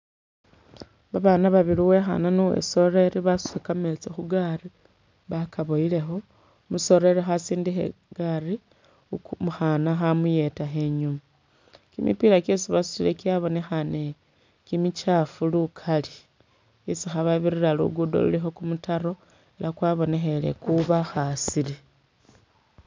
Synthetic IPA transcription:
βaβanaβaβiliwe̞xa̰nanuwḛso̞re̞ɾiβasu̥sekamet͡sexuɡari | βakʰaβojile̞xo̞ | muso̞ɾe̞ɾixasiːndixḛɡ̥ari | muxanaxamuje̞taxeɲuma | kimḭpilakesiβasu̥ilekiaβo̞ne̞xane | kimit͡ʃafulukʰali | isixaβaβiɾiɾalṵɡudo̰lṵlixo̞kumutaɾo̞ | elakwaβo̞ne̞xe̞le̞̰kuβaxasile

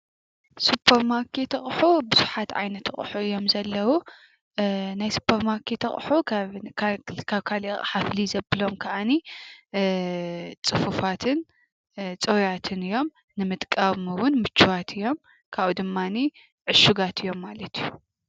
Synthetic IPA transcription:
supʰːɐɾmaɾkʰet̪χʼħubɨzuħat̪ʕa̰jnɐt̪χʼħuɨjːo̞mzɐlːɐwu | najsu̥pʰɐɾmaɾkʰet̪χʼħu | kʰaβkʰaliχʼħaflizɐbɨlo̞mkʰɐʔani | t͡sʼɨfufat̪ʰɨn | t͡sʼojat̪ʰɨnɨjo̞m | nɨmɨt̪ʼkʼaβmɨwʊnmɨt͡ʃːuwat̪ʰɨjːo̞m | kʰaβud̪ɨmːani | ʕɨʃuɡat̪ʰɨjːo̞mːalɐt̪ʰiju

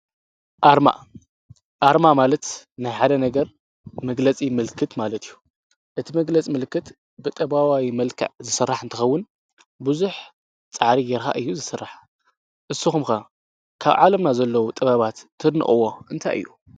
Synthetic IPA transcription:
ʔaɾma̰ | ʔaɾmamalɐt̪najħad̪ɐnɐɡɐɾ | mɐɡlɐt͡sʼimɨlkʰːɨt̪malɐt̪ʰijːu | ʔɨt̪ʰimɐɡlɐt͡sʼimɨlkːɨt̪ | bɨt̪ʼɐβawawimɐlkʰɐ̰ʕzɨsɨrːaħɨnt̪ʰɨxɐwːʊn | bɨzuħ | t͡sʼaʕɾijɛɾxa̰ʔɨjːuzɨsɨrːaħ | ʔɨsːɨxumxa | kʰaβʕalɐmnazɐlːɐwut̪ʼɐβaβat̪ʰːɨd̪nɨ̰χʼɨ̰wːo̞ʔɨnt̪ʰa̰jʔɨ̰jːu

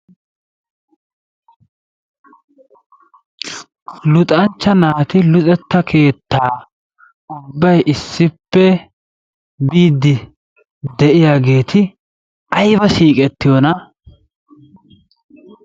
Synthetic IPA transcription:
lʊt̪ʼɐnt͡ʃːɐnaːt̪ɪlʊt̪ʼɛt̪ːɐkʰe̞ːt̪ːaː | ʊbːɐjʔɪsːɪpːɛ | biːd̪ːɪ | d̪ɛʔɪjaːɡe̞ːt̪ʰɪ | ɐjbɐsiːkʼɛt̪ːɪjɔnɐ

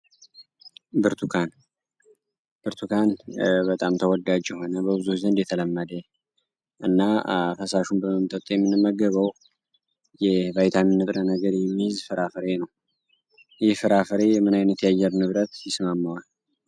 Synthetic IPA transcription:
bɨɾt̪ʰukʰan | bɨɾt̪ʰukʰanbət̪ʼamt̪ʰəwɔd̪ad͡ʒjɛɦo̞nəbəbɨzuzənd̪jɛt̪ʰələmːəd̪ə | ʔɨnːafəsaʃumbəməmt̪ʼət̪ʼjɛmːɨnɨmːəɡəβəw | jɛvajt̪ʰamɨnːɨt̪ʼɾənəɡəɾjɛmːijɪzfɨɾafəɾe̞nəw | jɪhfɨɾafəɾe̞jɛmɨnajnət̪jajːɛɾnɨβɾət̪jɪsmamːawal

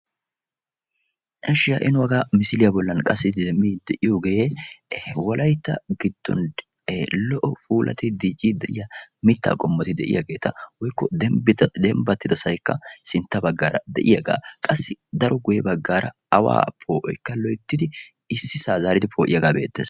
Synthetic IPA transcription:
ʔɐʃɪjaʔɪnʊwɐɡaːmɪsɪlɪjabɔlːɐnkʼɐsːɪd̪ɛmːid̪ɛʔɪjoːɡɛjeː | wɔlʔɐjt̪ːɐɡɪd̪̥ːɔ̰n | lɔʔɔfuːlʔɐ̰t̪ɛd̪iːkʼːid̪ɛʔɪjɐmɪt̪ːa̰ːkʼɔmːɔt̪ɪd̪ɛʔɪjɐɡe̞ːt̪ʰɐwɔjkːɔd̪ɛmbɪt̪ɐd̪ɛmbɐt̪ːɪd̪ɐsɐjkːɐsɪnt̪ːɐbɐɡːaːɾɐd̪ɛ̰ʔɪjɐɡa̰ːkʼɐsːɪd̪ɐɾɔɡʊjɛbɐɡːaːɾɐ | ɐwa̰ːpʰoːʔɔ̰jkːɐlɔjt̪ːɪd̪ɪ | ɪsːɪsaːzaːɾɪd̪ɪpʰoːʔɪjɐɡaːbe̞̰ːt̪ːḛːs

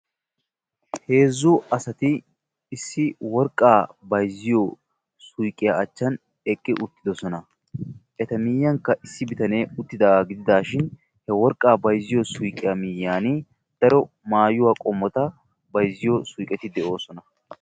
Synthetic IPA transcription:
he̞ːzːʊɐsɐt̪ɪː | sːɪwɔɾkʼːaːbɐjzːɪjo | sʊjkʼːɪjaɐt͡ʃːɐn | ɛkʼːɪʔʊt̪ːɪd̪ɔsɔnɐ | ʔɛt̪ɐmɪjːɐŋkːɐʔɪsːɪbɪt̪ɐneːʊt̪ːɪd̪ɐɡɪd̪ɪd̪aːʃɪn | hɛwɔɾkʼːaːbɐjzɪjɔsʊjkʼɪjamɪjːaːnɪ | d̪̥ɐɾɔ | maːjʊwaːkʼɔmːɔt̪ɐ | bɐjzɪjosʊjkʼɛt̪ɪd̪ɛʔo̞ːsɔnɐ

